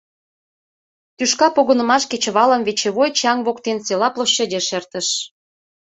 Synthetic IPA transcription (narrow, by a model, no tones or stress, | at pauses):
t̪yʃkɑpoɣənə̆mɑʃket͡ɕə̆βɑlənβet͡ɕeβojt͡ɕɑŋβokt̪enselɑploɕːĕdʲeʃert̪ə̆ʃ